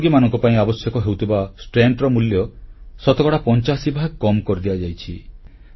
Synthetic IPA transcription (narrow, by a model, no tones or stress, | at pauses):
ɡimanɔ̃ŋkɔpaĩabɔsjɔkɔɦewt̪ʰibasʈɾeɳʈɾɔmuljɔsɔt̪ɔkɔɽapɔnt͡ʃasibʱaɡ̚kɔmkɔɾid̪iad͡ʒajt͡ʃʰi